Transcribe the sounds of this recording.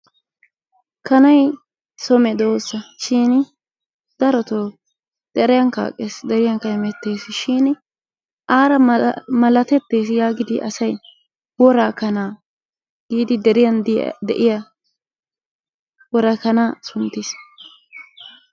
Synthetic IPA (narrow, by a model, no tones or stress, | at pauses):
kɐnɐj | sɔmɛd̪oːsːɐʃiːn | d̪̥ɐɾɔt̪oː | d̪̥ɛɾɛjɐŋka̰ːkʼːeːsd̪ɛɾɪjɐŋkɐhɛmɛt̪ːe̞ːsɪʃiːn | ʔaːɾɐmɐlɐt̪ɛt̪ːe̞ːsjaːɡɪd̪ɪʔɐ̰sɐj | wɔɾaːkɐnaː | ɡ̥iːd̪ɪd̪ɛɾɪjɐnd̪d̪ɛ̰ʔɪjɐ | wɔɾɐkɐnaːsʊnt̪ːɪs